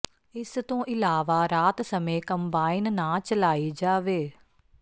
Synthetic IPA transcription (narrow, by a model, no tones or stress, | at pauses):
ɪst̪õːʔɪlaːʋaːɾaːt̪səmẽːkəmbaːɪnnãːt͡ʃəlaːiːd͡ʒaːʋeː